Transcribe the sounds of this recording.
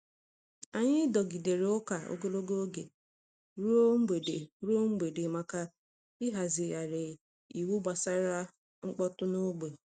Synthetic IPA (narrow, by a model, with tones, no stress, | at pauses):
a˨ɲɪ˦dɔ˨ɡi˨de˨ɾe˨ʊ˦ka˨o̰˨ɡo˦lo˦ɡo˦o˦ɡe˨ | ɾo˦e˨e˨ɾu˦o˦ŋ͡m̩˦ɡ͡be˨de˨ma˨ka˦ | ɪ˦ɦa˨zɪ˨ja˨ɾɪ˨ | i˨wu˦ba˨sa˦ɾa˦ | ŋ͡m̩˦k͡pɔ˦tʊ˦no˦ɡ͡be˨